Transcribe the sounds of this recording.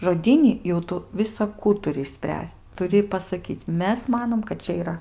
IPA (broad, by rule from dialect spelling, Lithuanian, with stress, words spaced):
ʒoːˈdʲiːnʲɪ jɛʊ ˈtʊ ʋʲɪsɐˈkuː ɪʃʲˈsʲpʲrʲæːsʲt͡sʲ tʊˈrʲɪ pɐsɐˈkʲiːt͡sʲ ˈmʲɛs ˈmɑːnoːm kɐt ˈt͡ʃʲɛ iːˈrɐ